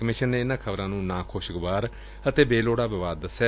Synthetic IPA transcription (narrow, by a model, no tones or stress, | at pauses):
kəmɪʃənːeːɪnãːkʰəbɾãːnũːnãːkʰoːʃɡʋaːɾ | ət̪eːbeːloːɽaːʋɪʋaːd̪̚ːəsɛː